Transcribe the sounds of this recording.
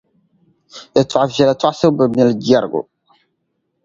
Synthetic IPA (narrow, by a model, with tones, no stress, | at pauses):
e˨tʰa˨vjɛ˨lɛ˨twa˦se˦bə˨mɛ˦ld͡ʒɛ˦˨ɾɡʊ̰˨